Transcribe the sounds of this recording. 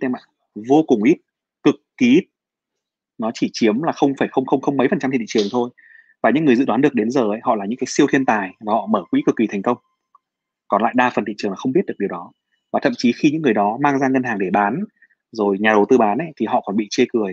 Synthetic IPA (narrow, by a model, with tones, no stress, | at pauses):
t̪ɛ˧ma̰ː˧˨ | vo˧kʊ˨˩ŋ͡mʔi˦˥t̚ | kɨ˨˩kːi˨˦i˦˥t̚ | nɔ˨˦t͡ɕi˧˩t͡ɕi˨˦əmlaː˨˩xə˧wŋ͡mfaː˧˩jxə˧wŋ͡mxə˧wŋ͡mxə˧wŋ͡mmə˨˦jfə˨˩nt͡ɕa˧mʰi˨ḭ˧˨t͡ɕɨ˨˩ə˩ŋt̪ʰo˧j | vaː˨˩ɲɨ̰˧˥ŋːɨ˩jzɨ̰˧˨ɗwa˨˦nɨ˨˩ək̚ɗe˨˦nzəː˨˩ə˨˦jɦɔ̰˧˨laː˨˩ɲɨ̰˧˥ŋkaː˨˦jsi˧əwt̪ʰi˧ənt̪aː˨˩jvaː˨˩hɔ̰˧˨məː˧˩kwḭ˧˦˥kɨ˨˩kːi˨˦t̪ʰjŋ̟kə˧wŋ͡m | kɔ˨˩nla̰ː˧˨jɗaː˧fə˨˩nt̪ḭ˧˨t͡ɕɨ˨˩əŋlaː˨˩xə˧wŋ͡mi˦˥t̚ɗɨ˨˩k̚ɗəwɗɔ˨˦ | vaː˨˩t̪ʰə̰˧˨mt͡ɕi˨˦xi˧ɲɨ̰˧˥ŋːɨ˨˩əjɗɔ˨˦maː˧ŋzaː˧ŋə˧nhaː˨˩ŋɗe˧˩ɓaː˨˦n | zo˨˩jɲaː˨˩ɗə˨˩wt̪ɨː˧ɓaː˨˦nʔə̰˧˦jt̪ʰi˨˩ɦɔ̰˧˨kɔ˨˩nɓḭ˧˨t͡ɕe˧kɨ˨˩əj